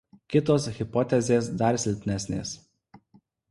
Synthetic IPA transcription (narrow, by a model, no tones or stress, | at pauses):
kʲɪt̪oːsɣʲɪpɔt̪ʲɛzʲeːsd̪ɐɾsʲɪlʲpʲnʲæsʲnʲḛːs